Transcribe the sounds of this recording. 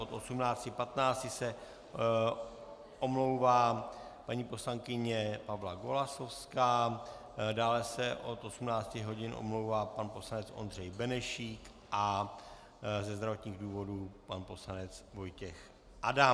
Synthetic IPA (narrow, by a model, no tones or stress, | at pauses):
ʔot̪ʔo̞sumnaːt͡scɪpat̪naːt͡scɪsɛ | ʔo̞mlo̞wvaːpaɲiːpo̞slaŋkɪɲɛpavlaɡo̞laso̞fskaː | daːlɛsɛʔo̞t̪ʔo̞sumnaːt͡scɪɦo̞ɟɪnʔo̰mlowvaːpanpo̞slanɛt͡sʔo̞̰nd̪r̝ɛjbɛnɛʃiːk | ʔa | zɛzd̪ɾavo̞t̪ɲiːɣduːvo̞dupanpo̞slanɛt͡svo̞jcɛx | ʔada